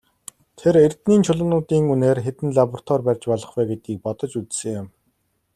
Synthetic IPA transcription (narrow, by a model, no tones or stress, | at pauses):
t̪ʰerer̥t̪niːnt͡ɕʰʊɮʊ̆nʊːt̪iːŋuneːrxet̪ɘ̆nɮapɔr̥t̪ʰwɔrpærʲt͡ɕpɔɮɞ̆χwæːɡet̪ɡiːk̚pɔt̪ɞ̆t͡ɕut͡ssɘ̆ŋʊm